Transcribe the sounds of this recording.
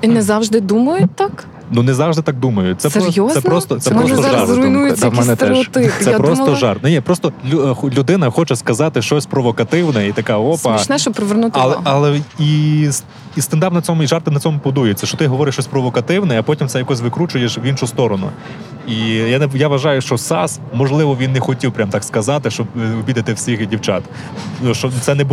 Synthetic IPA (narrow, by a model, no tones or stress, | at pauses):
inɛzɑwʒd̪ɪd̪umɐjʊt̚ʲt̪ɑk | nunɛzɑwʒd̪ɪt̪ɑk̚d̪umɐjʊt̚ʲtsɛsjɔzsɛpɾɔst̪ɔt̪sɛpmɔsɔzʒɐɾʊjnujɛɐmɛnɛt̪ɛʃɔt̪ɪp̪ɛpɾɔst̪ɔʒɑrt̪̚nɛnʲipɾɔst̪ɔlʲuxlʲud̪ɪnɐxɔt͡ʃɛskɐzɑt̪ɪʃt͡ʃɔsʲpɾɔʋɔkɐt̪ɪwnɛit̪ɐkɑɔpɐt͡ʃnɛʃɔpɾɔʋernut̪ɪɐlˠɛɐlˠɛis | ist̪ɐnd̪ɑpnɐt͡sʲɔmʊiʒɑrt̪ɪnɐt͡sʲɔmʊpʊd̪ujɛt͡sʲːɐʃt͡ʃɔt̪ɪɦɔʋɔɾɪʃt͡ʃɔsʲpɾɔʋɔkɐt̪ɪwnɛɐpɔtʲimt̪sɛjɐkɔsʲʋɪkɾut͡ʃʊjeʃʋinʃʊst̪ɔɾɔnʊ̰ | ijanɛjaʋɐʒɑjʊʃt͡ʃɔsɑs | mɔʒlˠɪʋɔʋʲinːɛxɔtʲiwpɾʲamt̪ɑkskɐzɑt̪ɪʃt͡ʃɔbɔbʲid̪ɐt̪ɪwsʲixdʲiwt͡ʃa̰t̪ | nuʃt͡ʃɔt̪sɛnɛbu